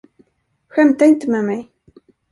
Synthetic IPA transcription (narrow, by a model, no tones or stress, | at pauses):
ɧɛmt̪aɪnt̪əmɛːmɛj